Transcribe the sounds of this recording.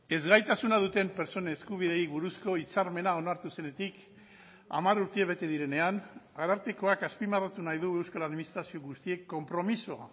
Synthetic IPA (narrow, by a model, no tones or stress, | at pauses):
e̞zɣajt̪asunaðut̪e̞mpe̞ɾt͡so̞neskuβ̞iðe̞jβuɾusko̞it͡saɾme̞nao̞naɾt̪use̞ne̞t̪ik | a̰maɾuɾt̪eeβ̞e̞t̪e̞ð̞iɾe̞ne̞an | aɾaɾt̪e̞ko̞akaspimarat̪unajðue̞wskalaðminist̪ɾasio̞ɣust̪ie̞kːo̞mpɾo̞misoa̰